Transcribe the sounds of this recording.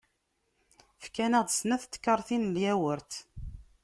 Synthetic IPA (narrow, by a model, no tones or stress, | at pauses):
fkænæʁd̪ˤsnæθt̪ːə̥kːəɾˤθinljæwəɾt̪